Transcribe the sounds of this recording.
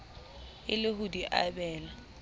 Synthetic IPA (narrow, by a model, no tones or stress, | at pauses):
ɪlɪɦʊdiʔa̰bɛːla